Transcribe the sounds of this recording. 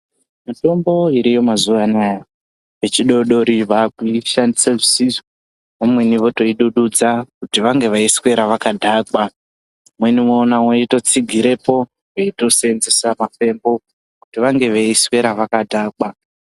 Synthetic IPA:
mito̞mbo̞iɾijo̞mazuʋanaja | ʋe̞t͡ʃiɗo̞ɗo̞ɾiʋakuiʃandisaʐisiʐo | ʋamwe̞niʋo̞to̞iɗuɗud͡zakutiʋaŋɡe̞ʋaiswe̞ɾaʋakadʱaːkwa | mwe̞nimoːnawoito̞t͡siɡʱiɾe̞po̞ | weito̞seenze̞samape̞mbo̞ | kutiʋaŋɡe̞ʋeiswe̞ɾaʋakadʱaːka

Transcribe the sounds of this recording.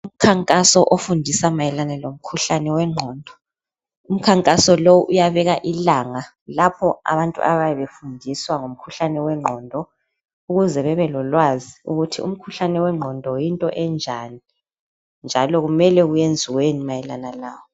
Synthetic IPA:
um̩kʰaŋkʼasɔʔofundʱisamajɛlanɛlom̩kʰuɬanɛwɛŋ͡ǃʱɔːndʱɔ̥ | um̩kʰaŋkʼasɔlowuʔujaβɛɣaʔilaŋa | lapʰɔa̰βantʼṵʔa̰βajɛβefundʱiswaŋom̩kʰuɬanɛwɛŋ͡ǃʱɔːndʱɔ | uɣuzɛβɛβɛlɔlwaziuɣutʰḭṵm̩kʰuɬanɛwɛŋ͡ǃʱɔndʱɔjintʼɔʔɛnd͡ʒʱani | nd͡ʒʱalɔɣumɛlɛɣujend͡zʱiwenimajɛlanalaːwɔ

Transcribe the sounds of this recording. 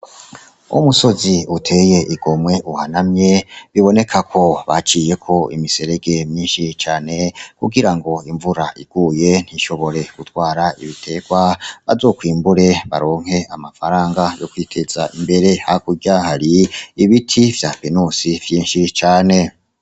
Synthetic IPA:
ṵmuso̞ziutʰe̞je̞ʔiɡo̞mwe̞ʔuhanamɲe̞βiβo̞ne̞kʰakʰo̞βat͡ʃije̞kʰo̞ḭmise̞ɾe̞ɡe̞mɲiːnʃit͡ʃaːne̞kuɡiɾaŋɡo̞iɱvuɾaʔiɡ̥uːje̞n̥hiʃo̞βo̞ɾe̞ɡ̥utwaːɾaiβitʰe̞ːɡ̥waβa̰zo̞ːkwiːmbuɾe̞βa̰ɾo̞ːŋ̥he̞amafaɾaːŋɡajo̞kwiːtʰe̞z̥aimbe̞ɾe̞hakuɟahaɾiiβitʰivjapenusivjiːnʃit͡ʃaːne̞

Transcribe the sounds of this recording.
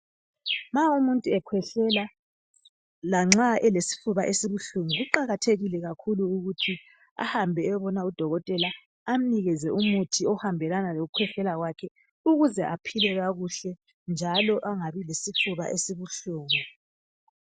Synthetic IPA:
maumuntʼuɛkʰwɛɬɛla | laŋ͡ǁaɛlesi̥fuβaʔesiβuɬuŋuɣuǃaɣatʰeɣilɛɣakʰuluːɣutʰi | a̰hambʱɛɛβɔnaud̥ʱɔɣɔtʼɛla | am̩niɣɛzɛʔumutʰiɔhambʱɛlanaloɣukʰwɛɬɛlaɣwakʰɛ | uɣuzɛʔapʰilɛɣaɣuɬɛ | nd͡ʒʱalɔʔaŋaβilesifuβa̰ʔesiβuɬuːŋu

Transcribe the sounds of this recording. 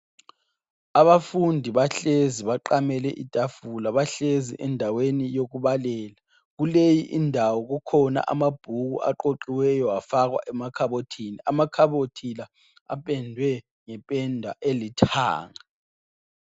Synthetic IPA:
aβafundʱiβaɬeziβaǃamɛlɛʔitʼafulaβaɬezḭʔɛndʱawenijoɣuβalɛːla | ɣulejiʔindʱawɔɣukʰɔna̰ʔa̰mab̥ʱuɣṵʔa̰ǃoǃiwɛjɔafaɣwa̰ʔɛmakʰaβotʰiniamakʰaβotʰila | a̰pʼɛndʱwɛ | ŋɛpʼɛndʱa̰ʔelitʰa̰ːŋa

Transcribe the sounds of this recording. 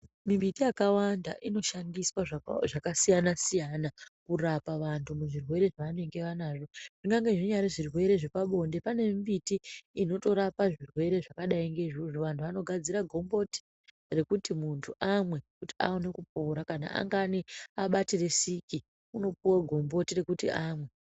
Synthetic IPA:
mimbitijakawanda̰ʔino̞ʃandiswaʐakasijanasijanakurapaʋantʰumuʐirwe̞ɾe̞ʐaʋane̞ŋɡe̞ʋanaːʐo̞ʐ̥iŋɡaŋɡeʐiɲaɾeʐirwe̞ɾe̞ʐipaɓo̞nde̞pane̞imbitiːno̞to̞ɾapaʐirwe̞ɾe̞ʐakaɗaiŋɡe̞ʐiʐoʋantʰuʋano̞ɡʱad͡ziɾaɡʱo̞mbo̞ti̥ | re̞kutimuntʰuʔamwe̞kutia̰one̞kup̚oɾakana̰ʔa̰ŋɡaniaɓatire̞siki | uno̞piwaɡʱo̞mbo̞tire̞kutiaːmwe̞

